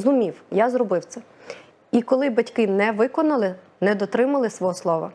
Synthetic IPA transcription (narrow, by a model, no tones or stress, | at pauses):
zʊmʲiwjazɾɔbɪwt̪sɛ | ikɔlˠɪbɐtʲkɪnɛʋɪkɔnɐlˠɪ | nɛd̪ɔt̪ɾɪmɐlˠɪsʋɔɦɔslˠɔʋɐ̰